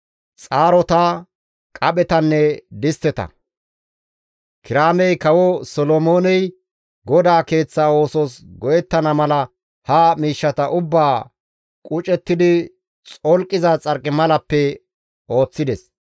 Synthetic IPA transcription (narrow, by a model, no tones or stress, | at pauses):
t͡sʼaːɾɔt̪a | kʼɐɓɛt̪ɐnːɛd̪ɪst̪ːɛt̪ɐ̰ | kɪɾaːmɛjkɐwɔsɔlɔmo̞ːnɛj | ɡɔd̪aːke̞ːt͡sːaːo̞ːsɔsɡɔjɛt̪ːɐnɐmɐlɐ | hɐmiːʃːɐt̪ɐʔʊbːaː | kʼʊt͡ʃʼɛt̪ːɪd̪ɪ | t͡sʼɔlkʼːɪzɐt͡sʼɐɾkʼɪmɐlɐpːɛ | o̞ːt͡sːɪd̪ɛs